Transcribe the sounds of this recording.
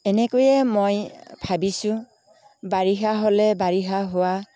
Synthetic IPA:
ɛnɛkojɛmojbʰʱabisʊ̃ | baɹiɦaɦolɛbaɹiɦaɦʊwa

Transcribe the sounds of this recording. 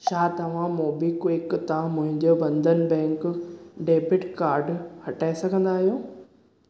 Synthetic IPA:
t͡ɕʰaːt̪ɐʋ̤ãmoːbikwɪkt̪ãmʊ̃ɦɪ̃ɲd͡ʑoʋɐ̃nd̪ʱənɪ̆bɛ̃ːŋkɖeːbɪʈkaːɾɖhɐʈaːesɐɡʱə̃nd̪aːɦijoː

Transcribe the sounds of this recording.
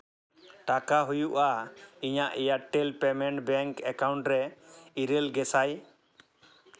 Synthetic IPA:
ʈakaɦujuʔaiɲaʔjaʈːɛlpɛmɛɳʈbɛŋkɛkawɳʈɾɛiɾɛlɡɛsaj

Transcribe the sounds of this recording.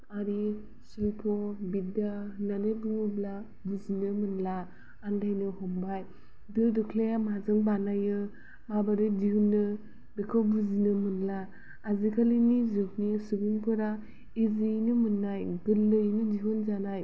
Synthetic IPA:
aɾi | silpʰɔbidananebuŋubla | buzinɯmɯnlaː | ndajnɯhɔmbaj | dɯldɯkʰlejamazɯŋbanajɯ | mabaɾɯdiɦunːɯ | dɯkʰɯwbuzinɯmɯnlaː | zikʰalɯnizuk̚nisuɡuŋpʰɯɾa | izinɯmɯnːajɡɯlːɯjnɯdiɦunzanaj

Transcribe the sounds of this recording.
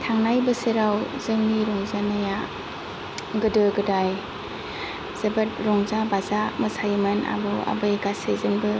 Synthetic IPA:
tʰaŋnajbɯseɾawzɯŋniɾɔŋzanɯja | ɡɯdɯɡɯdaj | z̥ɯbɯt̚ɾɔŋzabazamɯsʰajmɯna̰bɯa̰bɯɡasezɯŋbɯ

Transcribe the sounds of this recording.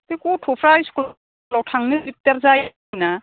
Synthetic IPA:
tikutʰupʰɾajskl | lɔwtʰaŋnɯbip̚teɾzaj | na

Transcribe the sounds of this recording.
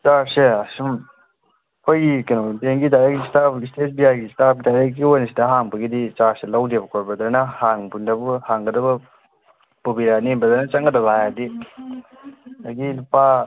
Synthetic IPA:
t͡ʃaɾseɐsum | pʰɐjikenodeŋɡidaɾekistapistet̚biajɡistap̚ɡidaɾek̚ɡiojnɐsidɐɦaŋbɐɡidit͡ʃaɾselawdebɐkʰoɾbɐdɐɾnɐhaŋbundɐbuhaŋɡɐdɐbɐ | pubiɾanembɐdɐɾnɐt͡ʃaŋɡɐdɐbajadi | aɡilupa

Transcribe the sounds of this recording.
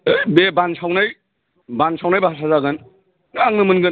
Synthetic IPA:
bebansawnaj | bansʰawnajbaasʰazaɡɯn | aŋnɯmɯnɡɯn

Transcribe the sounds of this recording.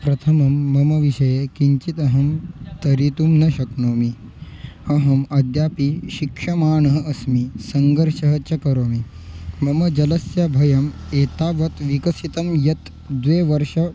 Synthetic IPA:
pɾɐt̪ʰɐmɐmːɐmɐʋiʃɐjekiɲt͡ʃit̪ɐɦɐmt̪ɐɾit̪umnɐʃɐknoːmi | ɐɦɐmɐd̪jaːpiʃikʂɐmaːɳɐɦɐɐsmisɐŋɡɐɾʃɐɦɐt͡ʃɐkɐɾoːmi | mɐmɐd͡ʒɐlɐsjabʱɐjɐmeːt̪aːʋɐt̪ʋikɐsit̪ɐmjɐt̪ | d̪ʋeːʋɐɾʃɐ

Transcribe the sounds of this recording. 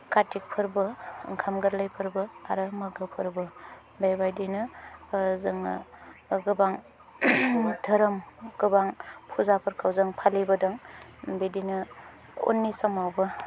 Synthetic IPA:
katik̚pʰɯɾbɯŋkʰamɡɯɾlɐjpʰɯɾbɯaɾɐmɐɡɯpʰɯɾbɯ | bajbajdinɯ | zɯŋ | ɡɯbaŋ | dʰʱɐɾɐmɡ̥ɯbaŋpʰuzapʰɐɾkʰawzɐŋpʰalibɐdɐŋbedinɯ | o̰nːisɐmawbɐ

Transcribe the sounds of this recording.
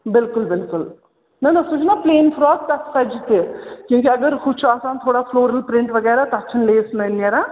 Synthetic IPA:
bɪlkʊlbɪlkʊl | nɐnɐsut͡ʃʰnaːpleːnfɾɔːst̪ɐsɐd͡ʒt̪ikjũːk̬eɐɡəɾkut͡ʃʰaːsaːnt̪ʰoːɽafʰloːɾɐlpɾɪɳʈʋɐɡɛːɾat̪ɐɐt͡ʃʰːɐnleːsnɐnːeɾaː

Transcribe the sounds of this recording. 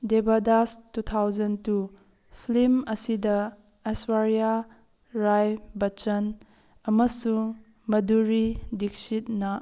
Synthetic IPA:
debadastutʰawzɐntu | pʰlimɐsidɐ | aswaɾja | ɾajbɐt͡ʃɐn | ɐmɐsu | mɐduɾidik̚sit̚nɐ

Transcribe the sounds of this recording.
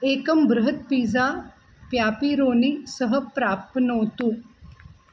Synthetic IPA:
eːkɐmbɾɐɦɐt̪̚piːzaː | pjaːpiːɾoːnisəɦɐpɾaːpnoːt̪u

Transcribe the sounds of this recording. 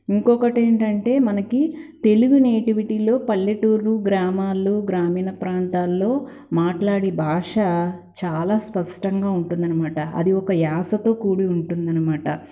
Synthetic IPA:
iŋkɔkɐʈeːɳʈɐɳʈe̞ːmɐnɐkit̪e̞luɡuneːʈiʋiʈiːlo̞ːpɐlːɐʈuːɾluɡɾaːmaːlːuɡɾaːmiːnɐpɾaːnt̪aːlːo̞ː | maːʈlaːɽibʱaːʂɐt͡ʃaːlaːspɐʂʈɐŋɡaːuɳʈund̪ɐnɐmaːʈɐɐ̰d̪iɔkɐjaːsɐt̪o̞ːkuːɽiuɳʈund̪ɐnɐmaːʈɐ̰

